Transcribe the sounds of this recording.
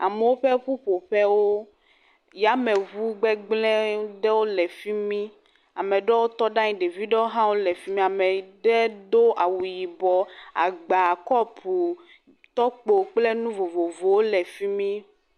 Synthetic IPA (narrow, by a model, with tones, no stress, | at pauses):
a̰˨mɛ˨wo˦ɸɛ˦ɸu˦ɸo˨ɸɛ˦wo˦ | ja˦mɛ˨vu˦ɡ͡bɛ˦ɡ͡blɛ̃˦ɖɛ˦wo˦lɛ˨fi˦mĩ˦ | a˨mɛ̃˨ɖɛ˦wo˦t̪ɔ˦ɖã˦ɲĩ˦ɖe˨vi˦ɖe˦o˦ɦã˦wo˦lɛ˨fi˦mĩ˦a˨mɛ˨ɖɛ˦do˦ʔa˨wu˨ji˨bɔ˨a̰˨ɡ͡ba˨kɔ˦pu˨ | t̪ɔ˦k͡po˨k͡plɛ˦nũ˦vo˨vo˨vo˨wo˦lɛ˨fi˦mĩ˦